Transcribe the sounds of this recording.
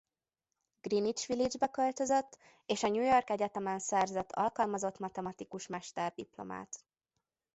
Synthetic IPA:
ɡ̥rinit͡ʃʋilid͡ʒbɛkø̞lt̪ø̞zøt̪ː | eːʃɒɲujo̞rkɛɟɛt̪ɛmɛnsɛrzɛt̪ʰːɒ̰lkɒlmɒzo̞t̪mɒt̪ɛmɒt̪ikuʃmɛʃt̪ɛrd̪iplo̞̰ma̰ːt̪

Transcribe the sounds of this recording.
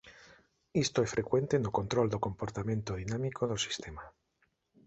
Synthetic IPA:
ist̪oesfɾʔekwent̪enokont̪ɾold̪okompoɾt̪amẽ̞nt̪oð̞inamikoðosi̥st̪ema

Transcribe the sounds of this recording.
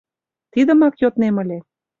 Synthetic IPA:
t̪id̪ə̆mɑkjot̪nemə̆lʲe

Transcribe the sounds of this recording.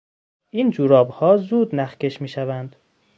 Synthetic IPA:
ʔiːnd͡ʒuːɾɒːbhɒːzuːd̪næxce̞ʃmiːʃævænd̪

